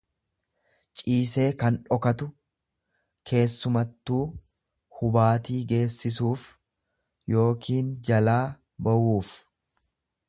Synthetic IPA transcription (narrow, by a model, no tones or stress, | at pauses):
t͡ʃʼiːse̞ːkɐnᶑɔkɐt̪ʊ | kʰe̞ːsːʊmɐt̪ːuː | hʊbaːt̪iːɡe̞ːsːɪsuːf | jo̞ːkʰiːnd͡ʒɐlaː | bɐʔuːf